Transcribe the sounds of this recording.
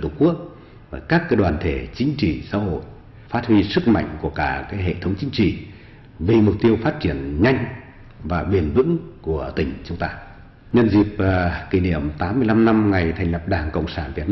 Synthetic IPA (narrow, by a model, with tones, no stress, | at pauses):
t̪ʰu˧˩ku˦˥ək̚ | vaː˨˩kaː˦˥kːəː˧˦ɗwaː˨˩nt̪ʰe˧˩t͡ɕï˨˦ŋ̟t͡ɕi˧˨sa̰ː˧˥ho̰˧˨j | faː˦˥t̚hwi˧sɨ˦˥k̚ma̰˧˨jŋ̟ku˧˩əkaː˧˩kaː˨˦jɦḛ˧˨t̪ʰə˨˦wŋ͡mt͡ɕï˨˦ŋ̟t͡ɕḭ˧˨ | vi˨˩mʊ˨˩k͡p̚t̪i˧əwfaː˦˥t̚t͡ɕi˧˩ənɲa˧jŋ̟ | vaː˨˩ɓi˧˩ənvɨ̰˧˥ŋku˧˩ət̪ï˨˩ŋ̟t͡ɕʊ˨˦ŋ͡mt̪aː˧ | ɲə˧nzi˨˩p̚ki˧˩ni˧˩əmt̪aː˨˦mːɨ˧əjla˧mna˧mŋa˨˩jt̪ʰɛ˨˩jŋ̟lə˨˩p̚ɗaː˨˩ŋkə̰˧˨wŋ͡msaː˧˩nvi˨˩ət̚n˧